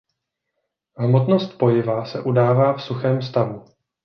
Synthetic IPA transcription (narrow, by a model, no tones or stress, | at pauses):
ɦmot̪no̞st̪po̞jɪvasɛʔudaːvaːfsuxɛːmst̪avu